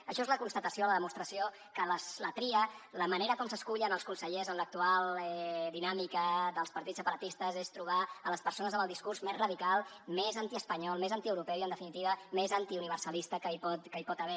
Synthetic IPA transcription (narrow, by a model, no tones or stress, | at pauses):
əʃɔezləkunst̪ət̪əsioələðəmust̪ɾəsio | kələslət̪ɾiələməneɾəkɔmsəskuʎənəlˠskunsəʎezənlək̚t̪ualˠɛɛd̪inamikəðəlˠspəɾt̪it͡ssːəpəɾət̪ist̪əzest̪ɾuβ̞aələspəɾsonəzəməlˠd̪iskurzmezrəðikalˠ | mezant̪iəspəɲɔlˠmezant̪iəwɾupɛwiənd̪əfinit̪iβəmezant̪iuniβ̞əɾsəlist̪əkəipɔt̪kəipɔt̪əβɛ